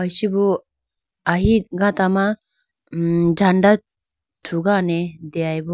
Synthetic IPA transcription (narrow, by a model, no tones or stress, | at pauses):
ajsibɔ | aɦiɡãt̪ama | d͡ʒaɳɖa | t̪ʰuɡanɛd̪ɛajbɔ